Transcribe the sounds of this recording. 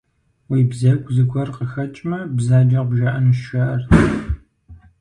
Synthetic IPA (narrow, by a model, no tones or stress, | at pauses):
wiːbzɐɡʷzɨkʷʰɔrqəxɐt͡ʃʼmɐbzaːd͡ʒɐqbʒɐʔɐnɨʃʃʷɐɐrʰ